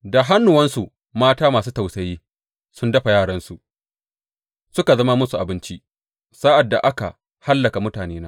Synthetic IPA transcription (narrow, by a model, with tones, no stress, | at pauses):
da˨ɦa˦nːʊ˨wɐ˦nsu˨ | maː˦taː˦maː˨s̬uː˦ta˨wsɐ˨jiː˦ | sʊ˦ndɐ˦ɸa˨jaː˦˨ɽɐ˦nsu˨ʔ | sʊ˦ka˨zɐ˦ma˦mʊ˦su˨ʔa˨bɪ˦nt͡ʃi˦ʔ | saː˦ʔa˨dːa̰˨ʔa˦ka̰˨ | ha˦lːɐ˨ka˨mʊ˦taː˨neː˦naː˦